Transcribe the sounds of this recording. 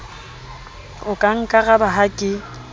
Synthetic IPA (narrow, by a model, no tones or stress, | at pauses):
ʊkʼaŋ̩kʼaɣabaɦakʼɪ